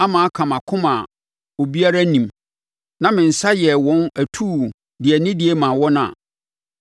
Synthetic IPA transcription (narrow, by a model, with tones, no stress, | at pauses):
a˦mãː˨a˦kʰã˨mã˨kʰʊ̃˦ma̰˨ | o˨bi˦a˦ɾa˦nĩ˨m | nã˦mɪ̃˨n̩˨sa˦jɛ˨wɔ̃˦næ˨tʰuː˦˨ | dɪ˨ɛ˨nɪ̃˦dɪ˨ɛ˦mã˨wɔ˦nʊ̃˦a̰˨